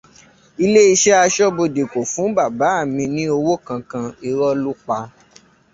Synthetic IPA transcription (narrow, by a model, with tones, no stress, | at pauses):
i˧le˦i˧ʃɛ˦a˧ʃɔ˦bo˧de˨ko˨fũ˨˦ba˦˨ba˨˦a˦˨mĩ˧nĩ˦o˧wo˦kã˧kã˧i˧ɾɔ˦lu˦k͡pa˧